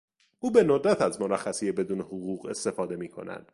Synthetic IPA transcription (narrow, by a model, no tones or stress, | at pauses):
ʔuːbe̞nod̪ɾæt̪ʰæzmoɾæxːæsijebe̞d̪uːnehoɣuːɣe̞st̪e̞fɒːd̪e̞miːkʰo̞̰næ̰d̪̥